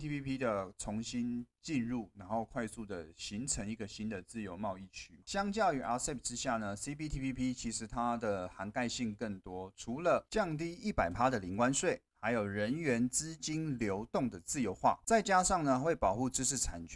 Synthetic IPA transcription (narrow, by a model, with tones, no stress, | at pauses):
t̪ʰi˥pʰi˥pʰi˥d̪ə˨t͡sʰʊ˧˥ŋɕi˦˥nt͡ɕi˥˧nɻu˥˩na˧˥nxo˥˩ʊkʰwa˥˧ɪsu˥˩d̪ə̰˩ɕi˧˥ŋt͡sʰə˧˥ŋi˧˥ɡə˨ɕi˥nd̪ə˨t͡sɹ̩˥˩jo˧˥ʊmɑ˥˧ʊi˥˩t͡ɕʰy˥ɕjɑ˥ŋt͡ɕjɑ˥˩ʊy˨˩a˧˥sɛ˥˩p̚ʰʈ͡ʂɻ̩˥˦ɕja˥˩nə˩si˦˥pʰi˥t̪ʰi˥pi˥pʰi˥t͡ɕʰi˧˥ʂɻ̩˧˥t̪ʰa˦d̪ə˨xa˧˥nka˥˧ɪɕi˥˧ŋkə˥˩ŋt̪wɔ˥ʈ͡ʂʰu˧˥lə˨t͡ɕjɑ˥˧ŋt̪̬i˥˧i˥˩pa˨˩ɪpʰa˥d̪ə˨li˨˥ŋkwa˦nswe˥˩ɪxa˧˥ɪjo˨˩ʊɻə˧˦nɥɛ˧˥nt͡sɹ̩˥t͡ɕi˥nljo˧˥ʊt̪ʊ˥˩ŋd̪ə˩t͡sɹ̩˥˩jo˧˥ʊxwa̰˥˩t͡sa˥˩ɪt͡ɕja˥ʂɑ˥˩ŋnə˩xwe˥˩ɪpɑ˨˩ʊxu˥˩ʈ͡ʂɻ̩˥ʂɻ̩˥˩t͡sʰa˨˩nt͡ɕ